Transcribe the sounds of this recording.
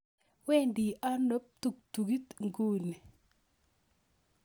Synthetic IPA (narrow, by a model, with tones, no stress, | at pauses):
wɛ˦ndi˨ʔa˦no˦p̚t̪u˦˨k̚t̪u˨ɡi˦t̪ŋɡu˦ni˨